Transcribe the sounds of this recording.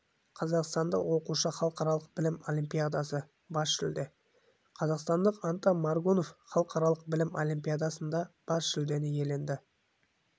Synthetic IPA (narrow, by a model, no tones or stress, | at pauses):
qʰɑzɑqst̪ɑnd̪ə̰wo̞quʃəχɑlˠəqɑɾɑlˠəq̚bɪlɪmo̞lʲimpʲijad̪ɑsə | bɑsʃɪld̪e | qʰɑzɑqst̪ɑnd̪əqɑnt̪ɑnmɑɾɡono̞fχɑlˠəqɑɾɑlˠəq̚bɪlɪmo̞lʲimʲpʲijad̪ɑsənd̪ɑb̥ɑsʒɪld̪e̞nɪje̞le̞nd̪ɪ